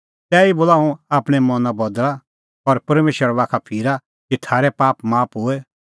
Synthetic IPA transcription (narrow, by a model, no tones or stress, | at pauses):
t̪ɛːiboːlaːũaːpɽ̃ɛmɔnabɔd̪ɭa | ɔɾpɐɾmeːʃəɾbaːkʰapʰiːɾa | kit̪ʰaːɾɛpaːpmaːpɦʊɛ